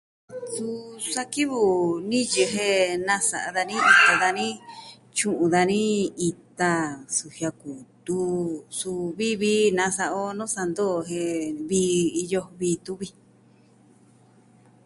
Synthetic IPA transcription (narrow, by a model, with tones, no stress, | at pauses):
t͡su˧sa˧ki˦βu˨nĩ˦je˧ɦe˧nã˦sa˨ʔa˧ða˧nĩ˦i˧t̪a˧ða˧nĩ˦ | t͡ʃũ˦ʔũ˧ða˧nĩ˦i˧t̪a˧su˨hja˧ku˨t̪u˧su˧βi˦βiː˧˦nã˧sa˧ʔo˦nõ˦sa˧nd̪o˦˨ɦe˧βiː˧˦i˧jo˧βiː˧t̪u˦βi˧